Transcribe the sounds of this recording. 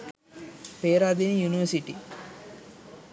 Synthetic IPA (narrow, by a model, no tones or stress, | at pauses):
peːɾad̪injuniʋəsiʈi